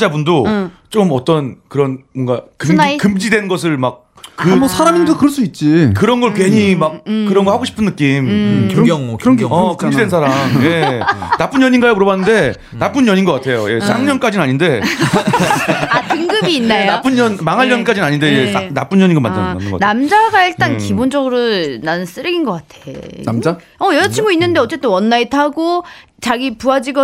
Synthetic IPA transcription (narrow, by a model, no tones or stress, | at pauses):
d͡ʑabundot͡ɕomʌt͈ʌnkɯɾʌnmwʌŋɡakɯkɯmd͡ʑidwe̞nɡʌs̬ʰɯɭmak̚ | kɯmsʰaɾamindokɯɾʌɭs͈uit̚t͡ɕ͈ikɯɾʌnɡʌɭkwe̞ɲimakkɯɾʌnɡʌɭhaɡoɕʰi̥pʰɯnːɯk͈im | ŋkɯʌkɯmd͡ʑdensʰaɾamje̞nap͈unjʌɲinɡajemuɾʌbanːɯnde̞ | nap͈ɯnjʌɲinɡʌk͈atʰe̞joje̞sʰaŋɲʌnk͈ad͡ʑinaɲinde̞ | atɯŋɡɯbiːnːajonap͈unʌnmaŋɦaɭjʌɲik͈ad͡ʑinaɲindeenap͈unjʌɲiŋɡama̰ndananɯɡ̰anamd͡ʑaɡaiɭt͈ankibond͡ʑʌɡɯɾonanɯs͈ɯɾɯɡinɡʌk͈atʰeamd͡ʑa | ʌjʌɾʌt͡ɕʰiŋɡoinːɯnde̞ʌt͡ɕ͈e̞t͈enwʌnːaitʰaɡo | t͡ɕaɡipuad͡ʑiɡʌ